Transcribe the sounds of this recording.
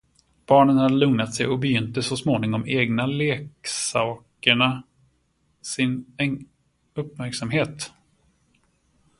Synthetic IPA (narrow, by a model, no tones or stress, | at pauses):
b̥ɑːɳənhad̪ːəlɵŋnat̪sɛjɔbɛjʏnt̪əsɔsmoːnɪŋɔmeːɡnaleːksɑːkəɳa | sɪnɛ | ɵpːmæɾksamɦeːt̪